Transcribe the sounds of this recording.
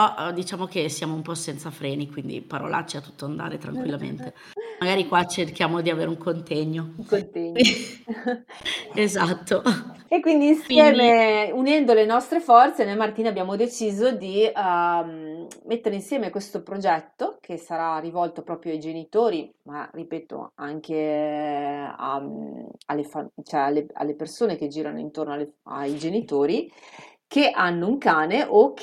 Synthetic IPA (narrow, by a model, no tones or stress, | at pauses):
pɔʔd̪it͡ʃaːmokesːjaːmoumpɔsɛnt̪safɾɛːnikwind̪ḭpaɾo̰lʔa̰t͡ʃːiat̪ːu̥t̪ːoand̪a̰ːɾet̪ɾa̰ŋkwilːamḛnt̪e | maɡaːɾikwat͡ʃerkjaːmod̪iaveːɾeuŋkʰont̪ɛɲːouŋkont̪ɛɲː | ezat̪ʰːo | ekːwind̪iːnsjɛːmeunɛnd̪olenɔst̪ɾefɔrt̪senɛmart̪iːnabjaːmod̪et͡ʃiːzod̪i | met̪ːeɾeinsjɛːmekwest̪opɾod͡ʒɛt̪ːokʰesaɾarːivɔlt̪opɾɔːpɾjoajd͡ʒenit̪oːɾima̰ripɛːt̪o̰a̰ŋke | a̰ | a̰lːefat͡ʃoɛalːea̰lːepersoːnek̟ed͡ʒiːɾano̰ḭnt̪ornoalea̰jd͡ʒenit̪oːɾikeʔanːouŋkaːneʔok